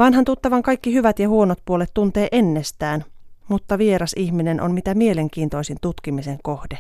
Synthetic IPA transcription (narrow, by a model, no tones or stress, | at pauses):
ʋɑnɦɑnt̪ut̪ːɑʋɑŋkɑjkːiɦyʋæt̪jɑhuo̞not̪̚puo̞let̪ːunt̪eːʔenːest̪æːnmut̪ːɑʋieɾɑsiçmine̞nʔonmit̪æmie̞leŋk̟iːnt̪o̞jsint̪ut̪kimiseŋkohde